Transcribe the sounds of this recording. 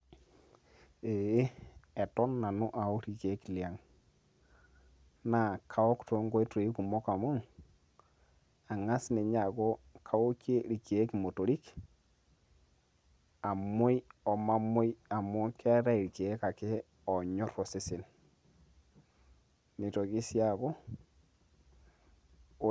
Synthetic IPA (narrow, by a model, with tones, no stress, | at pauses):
e˨˦ɛ˨tɔ˦nːa˨nu˦ʔa˨o˦ɾi˨ke˨˦kli˨a˨ŋ | na˦˨kʰa˨wɔ˦kto˨˦ŋɡo˦e˦to˨i˦ku˨mɔ˦ka˨mu˦ŋ | a˨ŋa˦sne˨ɲa˨ɡo˦kʰa˨wo˦ke˦ɾi˨ke˨e˦ki˨mo˨to˨ɾi˦k | a˨mo˦jɔ˨ma˦mo˦ja˨mo˦ka˦ɾa˦i˨ɾi˨keː˨˦ka˨ke˦ | ɔ˨ɲɔ˦ɾɔ˨se˦sɪ˨n | ni˨to˨ki˦sja˦˨ko˦˨